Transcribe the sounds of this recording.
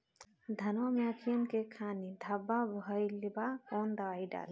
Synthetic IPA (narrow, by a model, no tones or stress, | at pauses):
d̪ʱɐnomeəkʰijənkekʰaːnid̪ʱɐbːabɦɔjlibakɔnd̪ɐwaːjɖa̰ːl